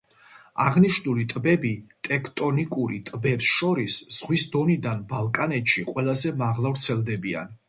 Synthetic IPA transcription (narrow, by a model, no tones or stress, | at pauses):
a̰ʁniʃnulit̪ʼbɛbit̪ʼɛkʰt̪ʼɔnikʼuɾit̪ʼbɛpsʃɔɾisz̥ʁwisd̪ɔnid̪anbalˠkʼanɛt̪ʃiqʼwɛlˠazɛmaʁlˠavɾt̪sʰɛlˠd̪ɛbia̰n